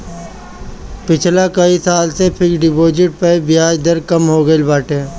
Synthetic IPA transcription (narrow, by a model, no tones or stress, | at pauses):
pɪt͡ʃʰlakəisaːlsepʰɪkɖɪpoːd͡ʒɪʈ̚pəibɪjaːd͡ʒd̪əɾkəmɦoːɡəilbaːʈʰeː